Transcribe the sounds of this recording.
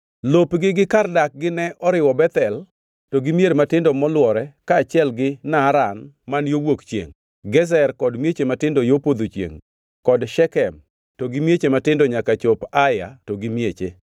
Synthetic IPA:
lopɡɪɡɪkardak̚ɡɪnɛʔɔɾɪwɔbɛt̪ɛl | toɡɪmjeɾematɪndɔmɔlwɔɾɛkaːt͡ʃɪɛlɡɪnaɾan | manjowokt͡ʃjḛŋ | ɡɛzɛrkɔdmjet͡ʃematɪndojopod̪ot͡ʃjḛŋ | kɔdʃɛkɛm | toɡɪmjet͡ʃematɪndoɲakat͡ʃopaja̰toɡɪmjet͡ʃḛ

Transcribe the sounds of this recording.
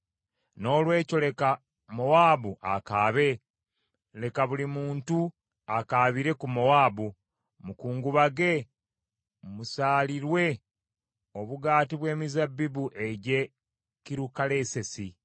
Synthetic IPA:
no̞ːlwe̞ːco̞le̞ka | mowaːbuʔakaːβe̞ | le̞kaβulimuːntu | akaːβiɾe̞kumowaːbu | mukuːŋɡuβaɡe̞ | musaːliɾwe̞ | o̞βuɡaːtiβwe̞ːmizabːibuʔe̞ɟe̞ | kiɾukale̞ːse̞si

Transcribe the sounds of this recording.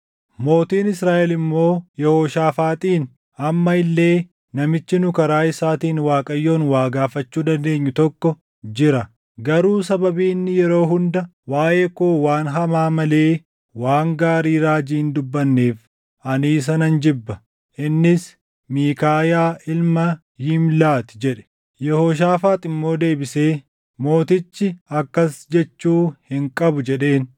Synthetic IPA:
mo̞ːt̪iːnɪsɾaːʔɛlɪmːo̞ːjɛhoːʃaːfaːt̪ʼiːn | ɐmːɐɪlːe̞ː | nɐmɪt͡ʃːɪnʊkɐɾaːɪsaːt̪iːnwaːkʼɐjːo̞ːnwaːɡaːfɐt͡ʃːuːd̪ɐnd̪e̞ːɲːʊt̪ɔkːɔ | d͡ʒɪɾɐ | ɡɐɾuːs̬ɐbɐbiːnːɪjɛɾo̞ːɦʊnd̪ɐ | waːʔe̞ːkoːwaːnɦɐmaːmɐle̞ː | waːŋɡaːɾiːɾaːd͡ʒiːnd̪ʊbːɐnːeːf | ʔɐniːs̬ɐnɐnd͡ʒɪbːɐ | ʔɪnːɪs | miːkaːjaːʔɪlmɐ | jɪmlaːt̪ɪ̥d͡ʒɛᶑɛ̥ | jɛhoːʃ̬aːfaːt̪ʼɪmːo̞ːd̪e̞ːbɪse̞ː | mo̞ːt̪ɪt͡ʃːɪɐkːɐsd͡ʒɛt͡ʃːuːhɪŋkʼɐbʊd͡ʒɛᶑe̞ːn

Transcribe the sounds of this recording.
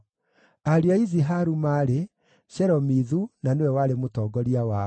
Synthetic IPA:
aɾiaiziɦaɾumaɾe | ɕɛɾɔmiðunanewɛwaɾemotɔːɡɔɾiawa

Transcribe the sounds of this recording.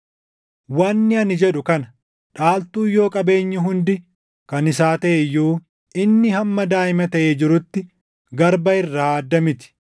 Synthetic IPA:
wɐnːɪɐnɪd͡ʒɛᶑʊkɐnɐ | ᶑaːlt̪uːjːo̞ːkʼɐbe̞ːɲːɪɦʊnd̪ɪ | kɐnɪs̬aːt̪ɐʔejːuː | ɪnːɪhɐmːɐd̪aːɪmɐt̪ɐʔeːd͡ʒɪɾʊt̪ːɪ | ɡɐɾbɐɪrːaːɐd̪ːɐmɪt̪ɪ̥

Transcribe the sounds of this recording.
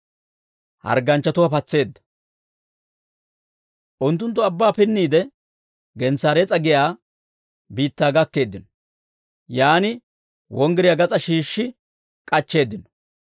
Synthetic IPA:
hɐ̰ɾɡɐnt͡ʃːɐt̪ʊwɐpɐt͡sːe̞ːd̪ːɐ̥ | ʔʊnt̪ːʊnt̪ːʊɐbːaːpɪnːiːd̪ɛ | ɡɛnsaːɾet͡sʼɐɡɪjaː | biːt̪ːaːɡɐkːe̞ːd̪ːɪnɔ | jaːnɪ | wʔɔŋɡɪɾɪjaɡɐt͡sʼɐʃiːʃːɪ | kʼɐt͡ʃːe̞ːd̪ːɪnɔ̥

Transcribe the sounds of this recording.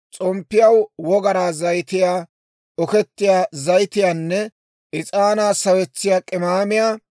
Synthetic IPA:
t͡sʼɔmpːɪjɐwwɔɡɐɾaːzɐjt̪ɪjaː | ɔkɛt̪ːɪjaːzɐjt̪ɪjaːnːɛ | ʔɪt͡sʼaːnaːsɐwɛt͡sːɪjaːkʼɪmaːmɪjaː

